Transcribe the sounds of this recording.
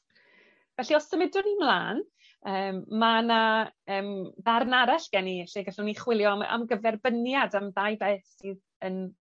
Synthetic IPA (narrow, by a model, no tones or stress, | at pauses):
vɛɬiɔsəmɪdʊnimlˠaːn | əːmːanaəːmðarnaɾaɬɡ̥ɛniɛɬɪɡɛɬuniχwɪlˠjɔa̰mɡəvɛrbənjadamðajbɛθið | ən